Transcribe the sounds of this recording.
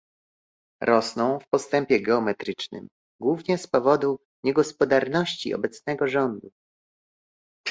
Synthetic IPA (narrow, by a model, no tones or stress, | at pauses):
ɾʔɔsnɔ̃w̃fpɔst̪ɛmpʲjɛɡɛɔmɛt̪ɾɘt͡ʂnɘ̰m | ɡwuvɲɛspɔvɔd̪u | ɲɛɡɔspɔd̪aɾnɔɕt͡ɕḭɔ̰bɛt̪snɛɡɔʐɔnd̪u